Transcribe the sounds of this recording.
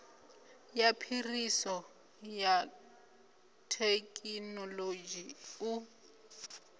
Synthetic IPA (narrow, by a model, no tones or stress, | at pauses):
japʰirisɔ | ja | tʰekʼinɔlod͡ʒiu